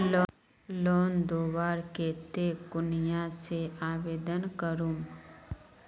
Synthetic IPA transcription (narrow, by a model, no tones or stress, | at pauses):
lː | loːnd̪oːwaːɾkeːt̪ekʊnɪjaseaːʋeːd̪ənkəɾum